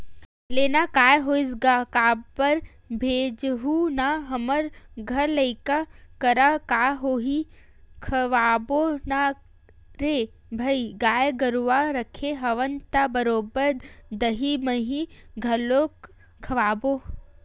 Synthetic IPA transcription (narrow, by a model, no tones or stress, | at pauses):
leːnakaːjɦoːisɡakaːpəɾ | bʱeːd͡ʒɦunaɦɐməɾɡʱɐɾlɐɪkakəɾakaːɦoːɦi | kʰɐʋaːbona | ɾeː | bʱɐiɡaːjɡɐɾʋaɾɐkʰeɦɐʋənt̪abəɾoːbəɾd̪ɐɦimɐɦiɡʱɐloːk | kʰɐʋaːbo